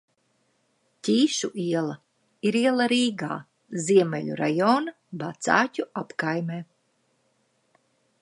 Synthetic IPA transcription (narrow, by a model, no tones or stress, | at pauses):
tʲiːʃuʔiɛlˠɐ | iɾiɛlˠaɾiːɡa̰ː | ziɛmʲɛʎʲuɾa̰jɔːna | bat̪sa̰ːcʲuapkajmeː